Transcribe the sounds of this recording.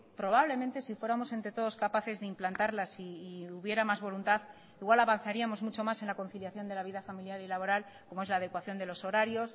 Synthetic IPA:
pɾo̞β̞aβle̞ment̪e̞sifwe̞ɾamo̞se̞nt̪ɾe̞t̪o̞ðo̞skapaθe̞zðeimplant̪aɾlasiuβje̞ɾamazβo̞lunt̪að | iɣwalaβan̟θaɾiamo̞zmut͡ʃo̞mase̞nlako̞nθiljaθjo̞nd̪e̞laβiðafamiljalilaβo̞ɾal | ko̞moe̞zlaːðe̞kwaθjo̞nd̪e̞lo̞so̞ɾaɾjo̞s

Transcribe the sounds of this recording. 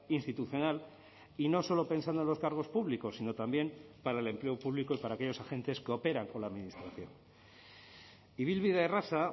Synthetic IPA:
inst̪it̪uθjo̞nal | ino̞so̞lo̞pe̞nsand̪o̞nlo̞skaɾɣ̞o̞spuβliko̞sino̞t̪ambje̞mpaɾaele̞mple̞o̞puβliko̞ipaɾaːkeʎo̞saxẽ̞nt̪e̞skeo̞pe̞ɾaŋko̞nlaðminist̪ɾaθjo̞̰ŋ | iβilβiðaerasa

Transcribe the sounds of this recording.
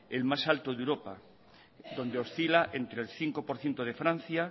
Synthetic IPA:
elmasalt̪oðewɾopa̰ | d̪o̞nd̪eo̞sθilaʔent̪ɾelθiŋko̞poɾθje̞nt̪oð̞e̞fɾãn̟θja

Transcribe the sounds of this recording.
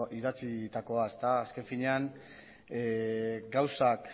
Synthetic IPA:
iðat͡sit̪ako̞aest̪aːske̞ɱfiɲe̞an | ɡawsak

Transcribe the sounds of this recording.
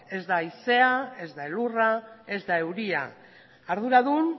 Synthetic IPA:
e̞zd̪aise̞ae̞zd̪aelurae̞zd̪ae̞wɾia̰ | aɾðuɾaðun

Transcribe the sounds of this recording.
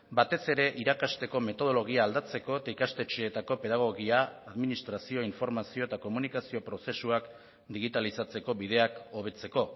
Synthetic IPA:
bat̪e̞se̞ɾe̞ʔiɾakast̪e̞ko̞me̞t̪o̞ð̞o̞lo̞ɣiaːld̪at͡se̞ko̞et̪aikast̪e̞t͡ʃeːt̪ako̞pe̞ðaɣ̞o̞ɣiaːðminist̪ɾasio̞iɱfo̞ɾmasio̞e̞t̪ako̞munikasio̞pɾo̞se̞suak | d̪iɣ̞it̪alisat͡se̞ko̞βið̞e̞ako̞β̞e̞t͡se̞ko̞

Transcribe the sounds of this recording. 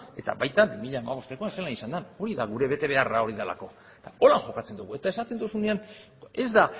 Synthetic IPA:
e̞t̪a̰βajt̪abimiʎaːmaβ̞o̞st̪e̞ko̞anselanisand̪ano̞ɾiðaɣuɾe̞βe̞t̪e̞βe̞arao̞ɾiðala̰ko̞ | et̪ao̞laŋʝo̞kat͡se̞nd̪uɣue̞t̪aesat̪e̞nd̪usune̞an | e̞zd̪a

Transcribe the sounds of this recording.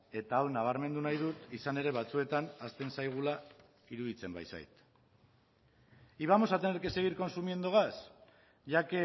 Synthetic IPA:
e̞t̪aːwnaβ̞aɾme̞nd̪unajðut̪isane̞ɾe̞β̞at͡sue̞t̪anast̪e̞nsajɣ̞ula | iɾuðit͡se̞mba̰jsa̰jt̪ | iβamo̞sat̪eneɾkese̞ɣ̞iɾko̞nsumje̞nd̪oɣ̞as | ʝake

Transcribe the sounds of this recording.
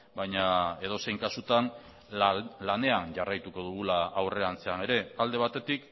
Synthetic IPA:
bajɲae̞ð̞o̞se̞jŋkasut̪an | lane̞anʝarajt̪uko̞ðuɣ̞ulaːwre̞ant͡se̞ane̞ɾe̞ald̪e̞β̞at̪e̞t̪ik

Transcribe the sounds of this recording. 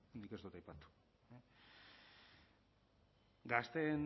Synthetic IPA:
nd̪iked̪ut̪ajpat̪u̥ | e | ɡast̪e̞n

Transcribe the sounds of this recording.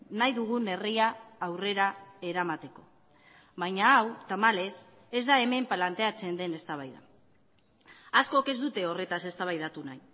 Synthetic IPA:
najðuɣ̞une̞riaːwre̞ɾae̞ɾamat̪e̞ko̞ | βajɲaawt̪amale̞s | e̞zd̪ae̞me̞mplant̪e̞at͡se̞nd̪e̞ne̞st̪aβ̞ajða̰ | asko̞ke̞zd̪ut̪e̞o̞re̞t̪ase̞st̪aβ̞ajðat̪unaj

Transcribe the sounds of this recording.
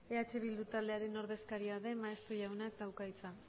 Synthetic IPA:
e̞at͡ʃe̞β̞ild̪ut̪ald̪e̞aɾe̞no̞ɾðe̞skaɾiaðe̞maest̪oʝawnakd̪awkajt͡sa

